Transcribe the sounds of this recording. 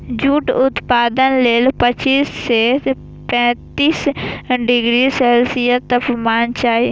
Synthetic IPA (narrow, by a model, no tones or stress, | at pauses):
d͡ʒuːʈʊt̪paːd̪ənleːlpɐt͡ʃiːsːeː | pɛ̃ːt̪iːsɖɪɡɾisɛːlsijət̪ɐpmaːnt͡ʃaːe